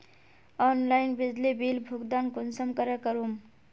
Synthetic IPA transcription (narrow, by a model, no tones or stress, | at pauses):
ɔnlainbid͡ʒlibilbʱuɡd̪ankunsəmkəɾəkəɾum